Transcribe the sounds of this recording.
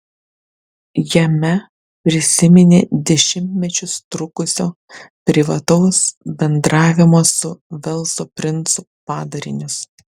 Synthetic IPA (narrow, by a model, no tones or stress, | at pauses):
jɛmʲɛ | pʲɾʲɪsʲɪmʲɪnʲḛːd̪ʲɛʃʲɪmʲt̪ʲmʲɛt͡ʃʲʊst̪ɾʊkʊsʲoː | pʲɾʲɪʋɐt̪ɒʊsbʲɛnd̪ɾɑːʋʲɪmoːsʊʋʲɛlˠˑsoːpʲɾʲɪnt̪sʊ | pɑːd̪ɐɾʲɪnʲʊs